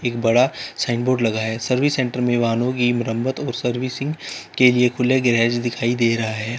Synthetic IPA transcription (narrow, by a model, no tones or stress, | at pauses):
eːk̚bɐɽasaːɪɳɖboːɖlɐɡaɦɛːsɐɾʋɪsɛ̃ːɳʈəɾmẽʋaːnoɡimɾə̃mbət̪ɔːɾsɐɾʋɪsɪ̃ŋɡkeliekʰʊleɡɾɛːd͡ʒd̪ɪkʰaːid̪eːɾɐɦaɦɛː